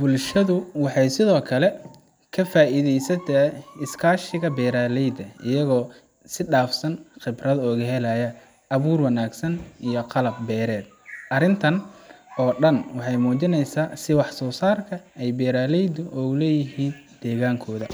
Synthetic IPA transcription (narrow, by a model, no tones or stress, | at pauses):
b̥ʊlʃɐðʊwɑħɑjsɪðɔːkʰɐlɛ | kʰɐfaːʔiðɛjsɐt̪ʰɐɪskʰaːʃɪɣɐbɛːɾaːlɛjd̪ɐɪjɐɣɔː | sɪɖaːfsɐnχɪbrɐðɔːɣɐɦɛlɐjɐ | ʔɐβuːrwɑnaːɡsɐnʔijɔqɑlɐb̚bɛːɾɛːd̪̚ | ʔɐɾɪnt̪ʰɐnɔːɖɐnwɑħɑjmuːt͡ʃɪnɛjsaːsɪwɑħsɔːsaːrkʰɐɛjbɛːɾaːlɛjd̪ʊʔɔːlɛːjɪɦiːnd̪̥ɛːɣaːŋkʰɔːðɐ